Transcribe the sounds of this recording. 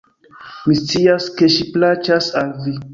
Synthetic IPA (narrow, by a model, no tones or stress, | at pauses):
mist͡siaskeʃiplat͡ʃasalvi